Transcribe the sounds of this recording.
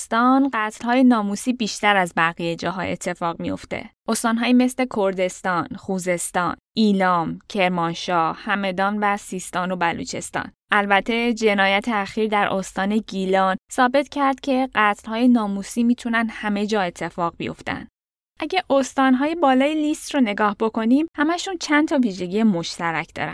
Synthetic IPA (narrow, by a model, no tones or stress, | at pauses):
st̪ɒnɢæt̪ʰlhɒːjenɒːmusiːbiːʃt̪æɾæzbæɣijed͡ʒɒːɦɒ̰ːe̞̰t̪ʰːe̞fɒːɣmijo̞̰ft̪e̞̰ʔost̪ɒːnɦɒːjiːme̞sle̞kʰoɾd̪e̞st̪ɒːnχuːze̞st̪ɒ̰ːnʔiːlɒːmcʰe̞ɾmɒnʃɒːhæme̞d̪ɒːnvæsiːst̪ɒːno̞bælṵt͡ʃʰe̞st̪ɒ̰ːn | ʔælbæt̪ʰːe̞d͡ʒe̞nɒːjæt̪ʰeæxiːɾd̪æɾʔo̞st̪ɒːne̞ɟilɒnsɒːbe̞t̪cʰæɾd̪̥cʲʰe̞ɢæt̪ʰlhɒːjenɒːmusiːmiːt̪ʰunænhæme̞d͡ʒɒːe̞t̪ʰːe̞fɒːɣbijo̞̰ft̪æ̰nd̪̥ | ʔæɟæʔost̪ɒːnɦɒːjebɒːlɒːjelist̪ɾone̞ɡɒːhbo̞kʰo̞nimhæmæʃunt͡ʃʰænt̪ʰɒviːʒe̞ɟijemo̞ʃt̪ʰæɾæcʰd̪ɒ̰ːɾæ̰n